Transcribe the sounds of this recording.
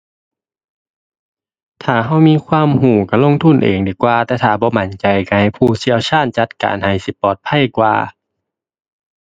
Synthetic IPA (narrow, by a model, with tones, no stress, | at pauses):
t̪ʰaː˨˩ɦa˧˥˩wmiː˧˨kʰwaː˧˥˨mhuː˨˩ka˧˩lo˧˥˨ŋt̪ʰu˧˥˨nʔḛː˨˩ŋdiː˨˩kwaː˧t̪ɛː˧˩t̪ʰaː˧˩bɔː˧˦ma˨˦nt͡ɕa˨˩jka˧ha˧˩jpʰuː˧˩si˧˥˨əwt͡ɕʰaː˧˥˩nt͡ɕa˧˦t̪̚ka̰ː˨nha˧˩jsi˧˦pɔː˨˩t̪̚pʰa˧˥˨jkwa̰ː˧